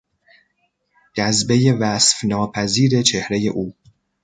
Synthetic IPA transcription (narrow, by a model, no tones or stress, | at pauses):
d͡ʒæzbe̞je̞væsfnɒːpʰæziːɾe̞t͡ʃʰe̞hɾe̞je̞̰ʔuː